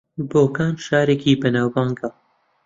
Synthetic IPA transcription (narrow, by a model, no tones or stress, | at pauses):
boːkaːnʃaːɾeːkiːbɐnaːwbaːŋɡa